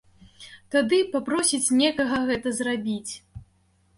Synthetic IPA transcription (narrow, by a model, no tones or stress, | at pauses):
t̪ad̪ɨpapɾɔsʲit͡sʲnʲɛkɐɣɐɣɛt̪ɐzrabʲit͡sʲ